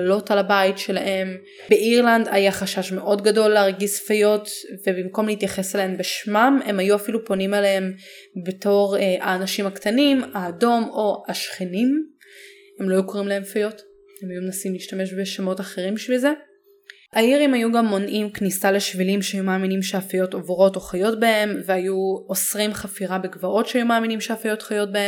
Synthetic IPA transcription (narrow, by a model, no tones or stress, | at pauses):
lo̞talabajtʃe̞lahe̞m | beʔiʁlandajaχaʃaʃme̞ʔo̞dɡado̞lːeaʁɡisfejo̞tvebimko̞mleitjaχe̞salaembeʃmame̞majuafiluponimaleembeto̞ʁeʔaːnaʃimaktanimaːdo̞moaʃχenim | e̞mlo̞ajukʁimlae̞mfajo̞t | hemajumenasimliːʃtame̞ʃbe̞ʃemo̞taχeʁimbiʃvilze | aiʁimhajuɡamːo̞nʔimknisaleʃvilimʃeajumaːminimʃeafajo̞tovʁo̞toχajo̞tbee̞mveajuosʁimχafiʁabe̞ɡvaʔo̞tʃeajumaːminimʃeafajo̞tχajo̞t̚bee